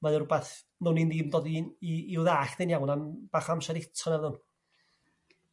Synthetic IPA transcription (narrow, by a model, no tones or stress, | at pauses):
maðʊrubaθ | nʊnindiːmdoːdiiːuðaːɬdɛnjawnamb̥aχamʃaɾɪtʰɔnɛðʊn